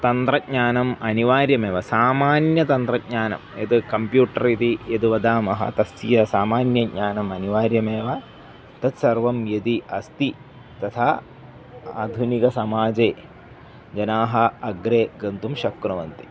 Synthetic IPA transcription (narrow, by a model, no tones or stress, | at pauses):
t̪ɐnt̪ɾɐɲaːnɐmɐniʋaːɾjɐmeːʋɐsaːmaːnjɐt̪ɐnt̪ɾɐɡ̚ɲaːnɐ̰mjḛd̪ɨkɐmpjuːʈɐɾit̪ijed̪uʋɐd̪aːmɐɦɐ̰t̪ɐsijɐsaːmaːnjɐɡɲaːnɐmɐniʋaːɾjɐmeːʋɐ | t̪ɐt̪sɐrʋɐmjɐd̪iɐst̪i | t̪ɐt̪ʰaː | aːd̪ʱunikɐsɐmaːd͡ʒeː | d͡ʒɐnaːɦɐɐɡɾeːɡɐnt̪umʃɐkːɾɐʋɐnt̪i̥